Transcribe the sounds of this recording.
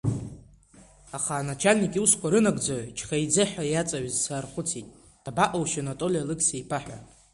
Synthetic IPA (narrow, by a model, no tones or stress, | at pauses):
aχaːnat͡ʃʰalʲnikʼiuskʷʰaɾɨnaɡd͡zaʕt͡ʃʰχajd͡zɨħʷᶣajat͡sʼaɥzsarχʷʊt͡sʰitʼ | d̥abaʔowʃanotʼo̞lʲialɨksejpʰaħʷᶣa̰